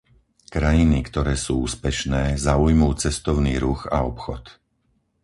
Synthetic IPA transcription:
kɾajinikt̪ɔɾɛːsuːuːspɛʃnɛːzaujmuːt͡sɛst̪ɔʊniːɾuɣa̰ɔpxɔt̪

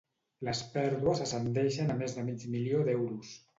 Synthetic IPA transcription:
ləspɛɾðuəzəsənd̪ɛʃənamezðəmid͡ʒmilioðɛwɾus

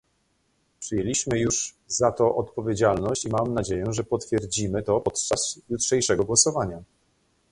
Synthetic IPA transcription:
pʂɘjelʲiɕmɘjuʂ | zat̪ɔʔɔt̪pɔvʲjed͡ʑalnɔɕt͡ɕimamnad͡ʑejɛʐɛpɔt̪fʲjɛɾd͡ʑimɘt̪ɔpɔt̪t͡ʂasjutʂɛjʂɛɡɔɡwɔsɔvaɲa

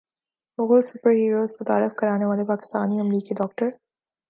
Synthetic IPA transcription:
mʊɣosʊpəɾɦiːɾoːzmʊt̪a̰ːɾɪfkɐɾaːneʋaːlepaːkɪ̥st̪a̰ːniɐmɾiːkiɖɔːk̚ʈəɾ

